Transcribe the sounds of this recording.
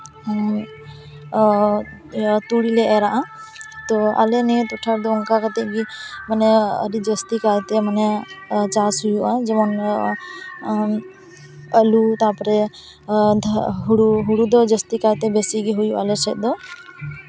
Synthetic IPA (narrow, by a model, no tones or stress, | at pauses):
t̪uɽilɛɛɾaʔã | t̪ɔa̰lɛnɛt̪uʈʰaɾd̪ɔʊŋkakət̪ɛɡimənɛə̰ɾid͡ʒəst̪ikat̪ɛmənɛt͡ʃasɦujuʔad͡ʒɛmɔn | əlut̪apɔɾɛ | d̪ʱɦuɽuɦuɽud̪ɔd͡ʒəst̪ikat̪ɛbɛsiɡiɦujuʔa̰lɛt͡ʃʰɛt̪̚d̪ɔ